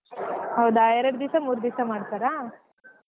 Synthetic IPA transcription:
hɐwd̪aːjeɾɐɽd̪isamuːɾd̪isamaːɽt̪aɾa

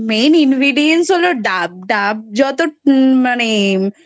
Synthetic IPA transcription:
meninɡɾiɖiensɦoloɖab̚ɖab̚d͡ʒɔt̪omane

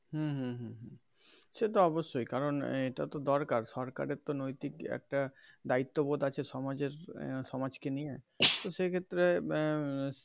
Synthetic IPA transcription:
ɦũɦũɦũɦũ | set̪oɔboʃːojkaɾoneʈa̰t̪od̪ɔɾkaɾsɔɾka̰ɾeɾt̪onojt̪ikɛ̰k̚ʈad̪ait̪ːobod̪at͡ɕʰesɔmad͡ʑeɾsɔmad͡ʒkenie | t̪osekʰet̪ːɾe

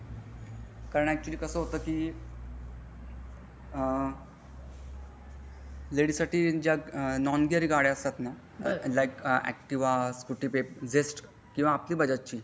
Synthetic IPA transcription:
kaɾəɳ̃æk̚t͡ɕuəliːkəsəːɦot̪əːki | leɽisaʈiːd͡ʑjanɔnɡiəɾiːɡaɽjəst̪at̪na | lajkæ̰k̚ʈiʋaskuʈipep̚d͡zesʈ | kĩw̃ʋaːpliːbʱəd͡ʑat͡ɕiː

